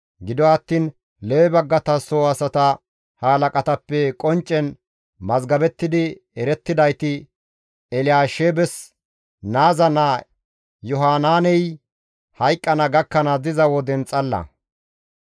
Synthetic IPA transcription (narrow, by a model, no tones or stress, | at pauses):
ɡɪd̪ɔɐt̪ːiːn | leːbɐɡːɐt̪ɐsoːɐsɐt̪ɐ | haːlɐkʼɐt̪ɐpːɛkʼɔnt͡ʃʼːɛn | mɐzɡɐbɛt̪ːɪd̪ɪ | ɛɾɛt̪ːɪd̪ɐjt̪ɪ | ɛlɪaːʃeːbɛs | naːzɐnɐ | jɔɦaːnaːnɛj | hɐjkʼːɐnɐɡɐkːɐnɐd̪ɪzɐwɔd̪ɛnt͡sʼːɐlːɐ̰